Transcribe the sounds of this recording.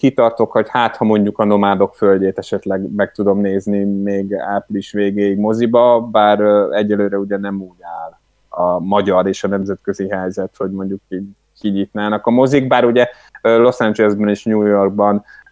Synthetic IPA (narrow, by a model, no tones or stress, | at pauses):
kit̪ɒrt̪o̞kho̞chaːt̪hɒmo̞ɲɟukɒno̞maːd̪o̞kfølɟeːt̪ɛʃɛt̪lɛɡmɛk̚t̪ud̪o̞mneːznimeːɡapliʃʋeːɡeːjiɡmo̞zibɒbaːɾɛɟːɛløːɾɛuɟɛnɛmuːɟaːl | ɒmɒɟɒɾeːʃɒnɛmzɛt̪køziɦɛjzɛt̪ho̞ɟmo̞ɲɟukːi | kiɲiːt̪naːnɒkɒmo̞ziɡbaːɾuɟɛ | lo̞sand͡ʒɛlɛlzbɛniʃɲuːjo̞rɡ̚bɒn